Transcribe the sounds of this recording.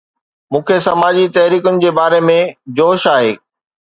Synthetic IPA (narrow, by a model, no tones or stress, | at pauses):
mũːkʰesɐmaːd͡ʑit̪ɐɦɾiːkʊnɪ̆d͡ʑeːbaːɾemẽd͡ʑoːʃaːɦeː